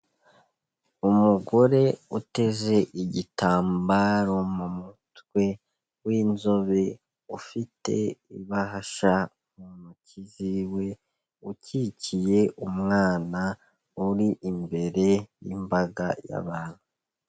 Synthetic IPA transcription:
umuɡo̞ɾe̞ute̞ze̞ʔiɟitʰaːmbaɾo̞mumutwe̞ | wiːnzo̞βe | ufite̞̰iβaɦaʃa | mumuciziwe̞ | ucicije̞ʔumŋaːna | uɾiʔimbe̞ɾe̞jḭmbaɡaja̰βaːn̥hu

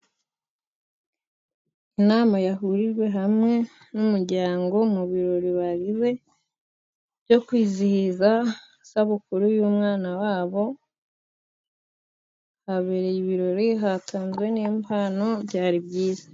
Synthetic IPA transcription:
inaːmajaɦuɾiɾɡwe̞ɦamŋe̞ | numuɾɟaːŋɡo̞muβiɾo̞ɾiβaɡize̞ | bɟo̞kwiːzihiza | saβukuɾujuːmŋaːnawaːβo̞ | haβeɾejiβiɾo̞ɾiɦatʰaːnzwe̞niːmpʰano̞bɟaːɾibɟiːzḁ

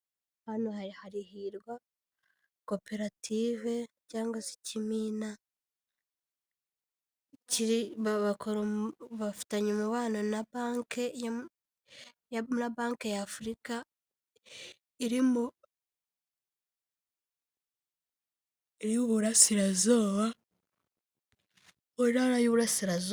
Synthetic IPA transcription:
hanohaɾihaɾihiɾɡwa | kope̞ɾatʰive̞ | caːŋɡwasi̥cimiːna | ciɾiβaβakoɾoβafu̥taɲimuβaːnanabaŋke | jnaβaːŋkejafuɾika | iɾimo | iɾiβuɾasiɾazoːβa | oiɾaɾajuβuɾasiɾazo

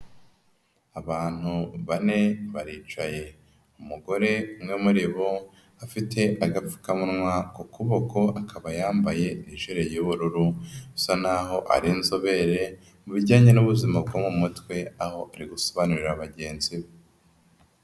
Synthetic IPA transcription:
aβaːn̥huβane̞βaɾiːt͡ʃaje̞ | umuɡo̞ɾe̞umŋe̞muɾiβo | afitʰe̞ʔaɡap͡fu̥kamunŋwakokʰuβokʰo̞akʰaβajaːmbaje̞niʒeɾejuβuɾuɾusanaɦo̞ʔa̰ɾinzoβe̞ɾe̞ | muβiɟaːɲe̞nuβuzimab̚ɡoːmumutwe̞aho̞aɾiɡusoβanuɾiɾaβaɟe̞ːnziβe

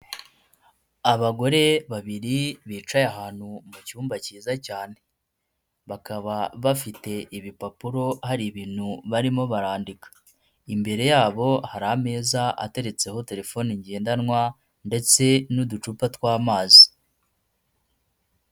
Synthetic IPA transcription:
aβaɡo̞ɾe̞βaβiɾiβiːt͡ʃajaɦaːn̥humucuːmbaciːzacaːne̞ | βakaβaβafite̞ʔiβipapuɾo̞haɾiβiːn̥huβaɾimo̞βaɾaːndikḁ | imbe̞ɾe̞jaːβo̞haɾaːme̞ːzaa̰te̞ɾe̞t͡se̞ho̞te̞ɾe̞fo̞niɲɟe̞ːndanŋwa | nde̞t͡se̞nudut͡ʃupatwaːmaːzi̥

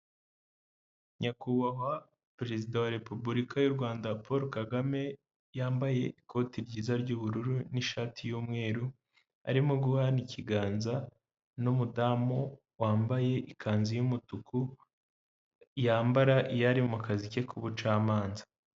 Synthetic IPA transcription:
ɲakuβaɦa | pɾe̞zidawaɾe̞pubuɾikajuɾɡwaːndapʰoɾokaɡame̞ | jaːmbaje̞ʔikʰo̞ːtiɾɟiːzaɾɟuːβuɾuɾuniʃaːtʰijuːmŋe̞ːɾu | a̰ɾimoɡuanicʰiɡaːnza | numudaːmo | waːmbaje̞ʔikʰaːnzijumutukʰu | jaːmbaɾaʔijaɾimumukazice̞kʰuβut͡ʃaːmaːnza

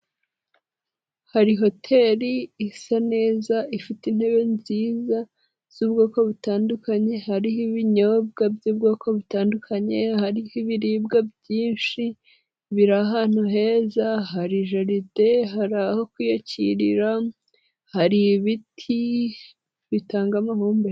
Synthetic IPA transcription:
haɾiɦo̞tʰe̞ːɾiːsane̞ːzaʔifitin̥he̞βe̞nziːza | z̥uːbɡo̞ːko̞βutaːndukaɲe̞haɾihiβiɲob̚ɡabjuːbɡo̞ːko̞βutaːndukʰaɲe̞haɾihiβiɾibɡabjiːnʃi | βiɾaɦaːn̥uɦe̞ːzaɦaɾiʒaɾite̞ɦaɾaho̞kwijociɾiɾa | haɾiβitʰi | βitaːŋɡamahuːmbe

